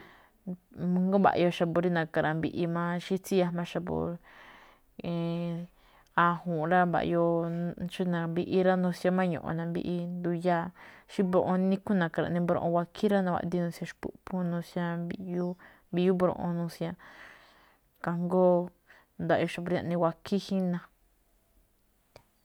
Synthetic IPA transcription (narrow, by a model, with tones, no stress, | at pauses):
mũ˧ŋ˦ɡo˦βa̰˨ʔjo˧ʃa˧po˧ɾi˦nã˧ka˧ɾã˨mbḭ˧ʔi˧mã˦˧ʃi˦t͡si˦ja˧mã˧ʃa˧po̰˧ | e˧ | a˧hũː˨˧ɾa˦βa̰˧ʔjo˧t͡ʃi˦nã˧bi˧ʔi˧˦ɾa˦nũ˧sja˧mã˦ɲõ̰˨ʔo̰˧˨nã˧bḭ˧ʔi˧nd̪u˧ja˦˧ʃi˦bɾõ˧ʔõ˧nĩ˧ku˦nã˨ka˨˧ɾã̰˨˧˨nĩ˧bɾõ̰˧ʔõ̰˧wʷa˧kʰi˦ɾa˦nã˧wʷa̰˧˨d̪i˧nũ˧sjã˧ʃpṵ˧ʔpu˦nũ˧sja˧i˧ju˦ | bi˧ju˦bɾõ̰˧ʔõ̰˧nũ˧sjã˧ | ka˧ŋɡoː˦ | nd̪a˧˨˧o˧ʃa˧po˧ɾã̰˧ʔnĩ˧wʷa˧kʰi˦hi˦nã˧